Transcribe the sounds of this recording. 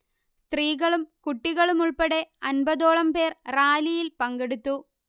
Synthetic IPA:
st̪riːɣɐɭumkuʈːiɣɐɭumuɭpɐɽe̞ɐnbɐðo̞ːɭɐmpe̞ːrraːlijilpɐŋɡeɽut̪ːu

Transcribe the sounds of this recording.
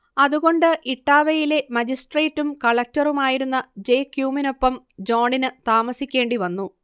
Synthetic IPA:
ɐðuɣo̞ɳɖɨʔiʈːaːʋɐjile̞mɐd͡ʑisʈre̞ːtːumkɐɭɐk̚tɐrumaːjiɾunːɐd͡ʑe̞ːkjuːmino̞pːɐm | d͡ʑo̞ːɳinɨt̪aːmɐsikʲːeːɳɖiʋɐnːu

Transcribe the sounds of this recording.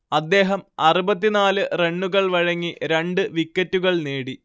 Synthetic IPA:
ɐd̪ːe̞ːɦɐmɐrubɐt̪̬ːinaːlɨre̞ɳːuɣɐɭʋɐɻɐŋːiɾe̞ɳɖɨʋikːɐtːuɣɐɭneːɽi

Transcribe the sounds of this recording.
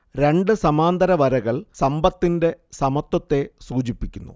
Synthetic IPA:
ɾe̞ɳɖɨsɐmaːnd̪ɐɾɐʋɐɾɐɣɐɭsɐmbɐt̪ːinde̞sɐmɐt̪ːɐt̪ːe̞suːt͡ɕipːikʲːunːṵ

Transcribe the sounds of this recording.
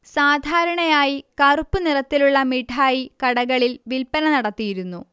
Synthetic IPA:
saːd̪ʱaːɾɐɳɐjaːjikɐrupːɨnirɐt̪ːiluɭːɐmiʈʰaːjikɐɽɐɣɐɭilʋilpɐnɐnɐɽɐt̪ːijiɾunːu

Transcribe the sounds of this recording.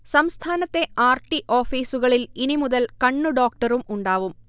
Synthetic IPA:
sɐmst̪ʰaːnɐt̪ːe̞ʔaːrʈiʔoːfiːsuɣɐɭilinimuðɐlkɐɳːuɖoːk̚ʈɐɾumuɳɖaːʋum

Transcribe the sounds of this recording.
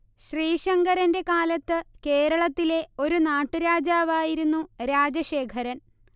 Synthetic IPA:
ɕriːɕɐŋɡɐɾɐnde̞kaːlɐt̪ːɨke̞ːɾɐɭɐt̪ːile̞o̞ɾunaːʈːɨɾaːd͡ʑaːʋaːjiɾunːuɾaːd͡ʑɐɕeːkʰɐɾɐn

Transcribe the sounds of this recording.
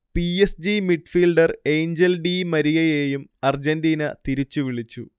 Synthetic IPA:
piesd͡ʑimiʈfiːlɖɐre̞jɲd͡ʑelɖimɐɾijɐjeːjumɐrd͡ʑendiːnɐt̪iɾit͡ɕːuʋiɭit͡ɕːṵ

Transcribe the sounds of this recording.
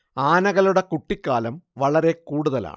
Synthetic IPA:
aːnɐɣɐluɽe̞kuʈːikːaːlɐmʋɐɭɐɾe̞kuːɽuðɐla̰ːɳ

